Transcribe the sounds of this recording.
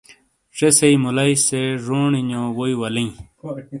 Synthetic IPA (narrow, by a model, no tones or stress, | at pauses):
ʂeseimulɐiseʐoːɳiɲõːwoiwɐlĩ